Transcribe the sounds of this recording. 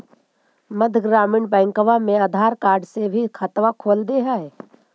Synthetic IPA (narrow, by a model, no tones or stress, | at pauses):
məd̪ʱɡɾaːmɪɳbɛ̃ːŋkəʋamẽaːd̪ʱaːɾkaːɾɖsebʱikʰət̪ʋakʰoːld̪eɦɛe